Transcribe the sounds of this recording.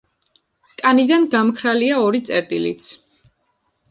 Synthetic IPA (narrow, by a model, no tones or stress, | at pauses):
kʼanid̪anɡamkʰɾaliaɔɾit̪sʼɛɾt̪ʼilḭt̪sʰ